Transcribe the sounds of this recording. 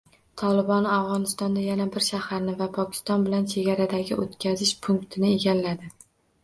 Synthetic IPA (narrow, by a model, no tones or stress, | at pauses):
t̪ʰɒlɪbɒnavʁɒnɪst̪ɒnd̪ajanabɪɾʃahaɾnɪvapʰɒkʲʰɪ̥st̪ɒnbɪlant͡ʃʰe̞ɡʲaɾad̪aɡʲɪʔot̪kʲʰazɪʃpʰʊŋkt̪ʰɪnɪe̞ɡʲalːad̪ɪ